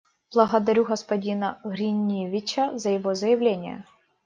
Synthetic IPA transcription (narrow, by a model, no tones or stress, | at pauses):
b̥lˠɐɣɐd̪ɐɾʲuɣɐspɐdʲinɐɣɾʲinʲivʲɪt͡ɕɐzɐjɪvozɐjɪvlʲenʲɪjɐ̰